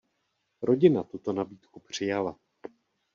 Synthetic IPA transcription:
ɾo̞ɟɪnat̪ut̪o̞nabiːt̪kupr̝̥ɪjala

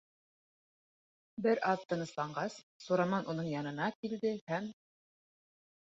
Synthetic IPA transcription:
bɘɾʔɑðt̪ɤ̆nɤ̆slˠɑɴɢɑsːuɾɑmɑnʔunɤɴjɑnɤ̆nɑkild̪ɘhæm

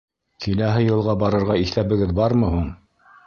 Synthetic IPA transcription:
kilæɦɘjɤ̆lˠʁɑbɑɾɤ̆ɾʁɑiθæβɘ̆ɡɘðbɑɾmɤɦuɴ

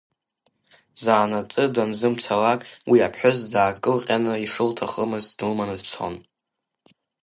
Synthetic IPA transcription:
zaːnat͡sʼɨdanzɨmt͡sʰalakʼwiapʰħʷʊzdaːkʼɨlqʲʼanɨiʂɨltʰaχəmɨzdɨlmanɨdt͡sʷʰo̰n

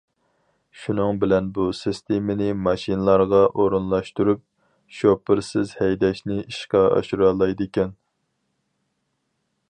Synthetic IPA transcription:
ʃunɨŋbɪlɛnbusɪst̪ʰemɪnɪmɑʃinɨlˠɑɾʁɑʔoɾunlˠɑʃt̪uɾup̚ | ʃopɪɾsɪzhɛjd̪ɛʃnɪʔiʃqɑɑ̰ʃuɾɑːlˠɑjd̪ɪkʲɛn

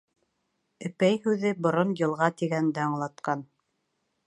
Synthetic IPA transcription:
ɘ̆pæjhʉðɘbŏɾonjɤ̆lˠʁɑt̪iɡænd̪æɑɴlˠɑt̪̚qɑn

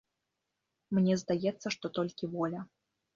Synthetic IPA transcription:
mnʲɛzd̪ajɛt̪sːɐʂt̪ɔt̪ɔlʲkʲivɔlʲɐ

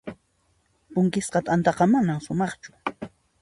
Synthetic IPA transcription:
pʊŋkɪsqɑt̪ant̪ɑqɑmanamʃʊmɑχt͡ʃʊ̥

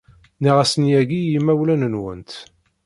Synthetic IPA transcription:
niʁæsənjæɡijimːæwlænənwə̰nt̪

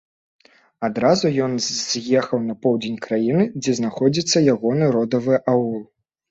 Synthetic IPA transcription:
ad̪ɾazujɔnzʲjɛxɐwnɐpɔwd͡zʲenʲkɾajinɨd͡zʲɛznaxɔd͡zʲit̪sːɐjaɣɔnɨɾɔd̪ɐvɨʔaulˠ

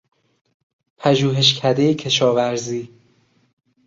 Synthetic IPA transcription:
pʰæʒuːɦe̞ʃ̬cʰæd̪ejecʰe̞ʃɒːvæɾziː

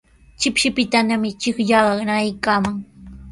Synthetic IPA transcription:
t͡ʃɪpʃɪpɪt̪anamɪt͡ʃɪkʎaɢɑnajkaːmaŋ

